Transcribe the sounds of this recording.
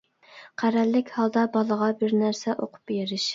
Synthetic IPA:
qʰæɾælːɪkʲhɑlˠd̪ɑbɑlˠəʁɑbɪɾnæɾsɛʔoqʰʊ̥p̚ːeɾɪʃ

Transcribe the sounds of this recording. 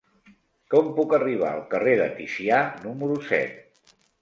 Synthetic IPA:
kɔmpukəriβ̞a̰əlˠkəreðə̰t̪isianuməɾusɛ̰t̪̚

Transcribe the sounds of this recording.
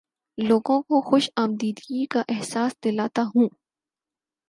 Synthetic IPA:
loːɡõkoxʊʃaːmd̪iːd̪ɡikaʔɛɦsaːsd̪ɪlaːt̪aɦũː

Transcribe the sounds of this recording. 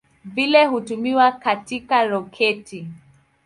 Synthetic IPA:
vilɛhutumiwakatikaɾɔkʰɛti

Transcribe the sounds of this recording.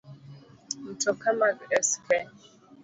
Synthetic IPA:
n̩tɔkamakɛskɛ

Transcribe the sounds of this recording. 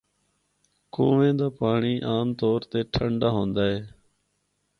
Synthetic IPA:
koːʋẽːd̪aːpaːɳiːʔaːmt̪oːɾt̪eːʈʰəɳɖaːɦõːnd̪aːɦeː

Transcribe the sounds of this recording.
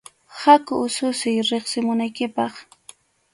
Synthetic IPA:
hakʊːsʊsɪjɾeχsɪmʊnajkɪpɑχ

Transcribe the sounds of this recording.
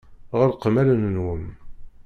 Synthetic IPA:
ʁəɾqəmæɾənənwəm

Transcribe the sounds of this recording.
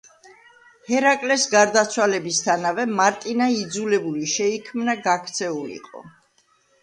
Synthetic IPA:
hɛɾakʼlɛsɡaɾd̪at̪sʰwalɛbist̪ʰanavɛmaɾt̪ʼinaid̪zulɛbuliʃɛikʰmnaɡakʰt̪sʰɛulḭqʼɔ̰

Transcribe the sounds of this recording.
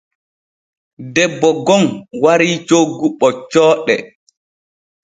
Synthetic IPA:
dɛbːɔɡɔnwaɾiːt͡ʃoɡuɓːɔt͡ʃɔːɗɛ

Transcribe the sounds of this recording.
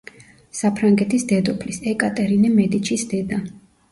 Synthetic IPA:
sapʰɾaŋɡɛt̪ʰisd̪ɛd̪ɔpʰlisɛkʼat̪ʼɛɾinɛmɛd̪it͡ʃʰisd̪ɛd̪a

